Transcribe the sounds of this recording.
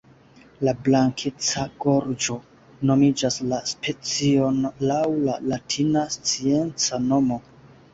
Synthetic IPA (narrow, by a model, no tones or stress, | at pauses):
lablaŋkʰet͡saɡ̥o̞ɾd͡ʒo̞ | no̞mid͡ʒaslaspe̞t͡sio̞nlawlalatʰinast͡sie̞nt͡sano̞mo̞